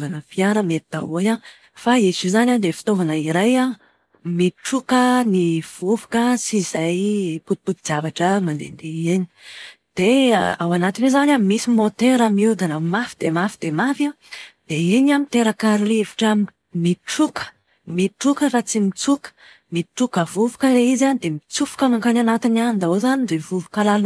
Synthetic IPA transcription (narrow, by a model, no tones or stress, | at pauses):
vanəfiaɾəmet̪id̪a̰oja | faezizanad̪efi̥t̪ovanəiɾaja | miʈ͡ʂukəniv̥uvu̥kəsizajput̪i̥put̪id͡zavaʈ͡ʂəmand̪ḛnd̪eeni̥d̪̥eawanat̪inezanamisimot̪eɾamiud̪anamafid̪emafid̪̥emafi | d̪̥eiɲamit̪eɾakaɾilivi̥ʈ͡ʂa | miʈ͡ʂukə̥ | miʈ͡ʂukərat͡simit͡sukə̥ | miʈ͡ʂukəvuvu̥kəleizand̪emit͡sufu̥kəmaŋkananat̪inand̪aozanid̪evuvukalalu